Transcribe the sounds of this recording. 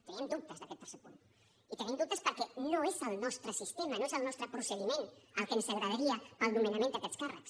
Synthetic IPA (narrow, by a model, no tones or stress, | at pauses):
t̪əniɛmd̪up̚t̪əzðəkɛt̪ːəɾsɛpun | it̪əniɛmd̪up̚t̪əspəɾkɛnoezəlˠnɔst̪ɾəsist̪emɐnoezəlˠnɔst̪ɾəpɾusəð̞imenəlˠkənsəɣɾəðəɾiəpəlˠd̪uminəmẽnd̪əkɛt̪skarə̰ks